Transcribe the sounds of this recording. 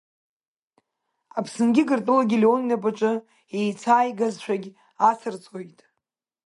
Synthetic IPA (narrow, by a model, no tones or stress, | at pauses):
apʰsɨnɡʲɪɡɨrtʼɨlaɡʲileonnapʼaʈ͡ʂʼɨ | ejt͡sʰaːjɡazʃʷᶣaɡʲ | asʰɨrt͡sʼojtʼ